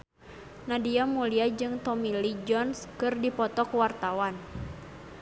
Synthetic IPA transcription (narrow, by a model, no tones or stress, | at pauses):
nadiamuliad͡ʒɨŋt̪ɔmilid͡ʒɔnskɨrdipɔt̪ɔkuwart̪awan